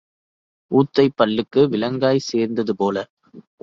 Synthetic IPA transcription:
ʔuːt̪ːɐɪpːɐɭːɯkːɯʋɪlɐŋɡaːjseːɾnd̪ɐðɯpoːlɐ

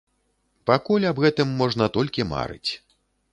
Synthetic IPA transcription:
pakulʲɐbɣɛt̪ɨmːɔʐnɐt̪ɔlʲkʲima̰ɾɨ̰t͡sʲ

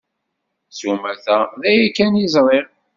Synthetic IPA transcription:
sumæθæðæjækːænizˤɾˤɪɾ

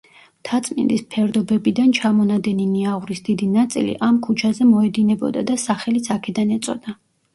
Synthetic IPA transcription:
t̪ʰat̪sʼmḭnd̪ispʰɛɾd̪ɔbɛbid̪ant͡ʃʰamɔnad̪ɛniniaʁuɾisd̪id̪inat̪sʼḭlḭʔamkʰut͡ʃʰazɛmɔɛd̪inɛbɔ̰d̪a̰d̪asaχɛlit̪sʰakʰɛd̪anɛt̪sʼɔ̰d̪a

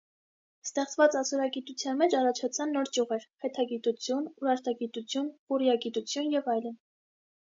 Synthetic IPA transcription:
st̪ɛχt͡svɑt͡sɑsɔɾɑɡit̪ut͡sʰjɑnmɛt͡ʃɑrɑt͡ʃʰɑt͡sʰɑnːɔɾt͡ʃuʁɛɾχɛt̪ʰɑɡit̪ut͡sʰjunuɾɑɾt̪ɑɡit̪ut͡sʰjunχurjɑɡit̪ut͡sʰjunjɛvɑjlən

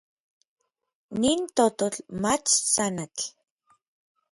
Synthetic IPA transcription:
niːnt̪ot̪ot͡ɬmat͡ʃsanat͡ɬ

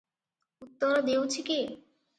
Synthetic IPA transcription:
ut̪ːoɾad̪ewt͡ɕʰike

